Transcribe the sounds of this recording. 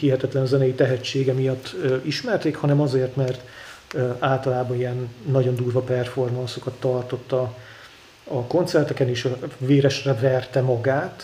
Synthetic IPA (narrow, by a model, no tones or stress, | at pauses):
hiɦɛt̪ɛt̪lɛnɒzɛnɛjit̪ɛɦɛt͡ʃːeːɡɛmijɒt̪ːøiʃmɛrt̪eːkhɒnɛmɒzeːrt̪mɛrt̪ | aːlt̪ɒlaːbɒnijɛnːɒɟo̞nd̪uːrvɒpɛrfo̞rmɒnso̞kɒt̪ːɒrt̪o̞t̪ːɒ | ɒko̞nt̪sɛrt̪ɛkɛneːʃveːɾɛʃrɛvɛrt̪ɛmɒɡaːt̪